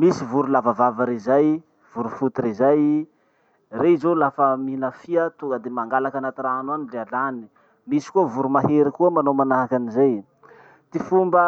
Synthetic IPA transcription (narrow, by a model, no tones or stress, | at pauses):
misivuɾulavavavəɾizaj | v̥uɾufut̪iɾizaj | reizolafəminafiət̪uŋɡəd̪emaŋɡalakanat̪iraanuanilealani̥ | misi̥kuəvuɾumaɦeɾikuəmanomanaɦakanizej | t̪ifumbə